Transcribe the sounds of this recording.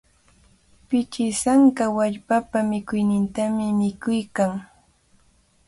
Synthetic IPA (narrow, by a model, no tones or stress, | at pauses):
pɪt͡ʃɪsaŋkawaʎpapamɪkʊjnɪnt̪amɪmɪkʊjkaŋ